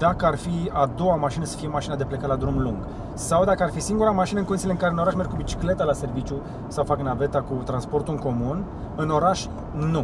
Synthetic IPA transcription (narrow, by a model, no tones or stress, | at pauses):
d̪̥akəarfiad̪o̞wamaʃinəsə̥fije̞maʃinad̪e̞plekalad̪ɾumluŋɡ | sawd̪akəarfisiŋɡuɾamaʃinəɨŋkond̪isileɨŋkaɾeɨno̞ɾaʃme̞rɡkubit͡ʃi̥kle̞t̪alase̞rvit͡ʃʲju | sawfaknave̞t̪akut̪ɾanspo̞rt̪uɨŋko̞mun | ɨno̞ɾaʃ | nu